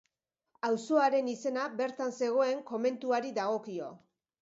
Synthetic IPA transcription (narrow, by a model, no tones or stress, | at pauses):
awso̞aɾe̞nise̞nabe̞ɾt̪anse̞ɣ̞o̞e̞ŋko̞me̞nt̪uaɾiðaɣ̞o̞kio̞̰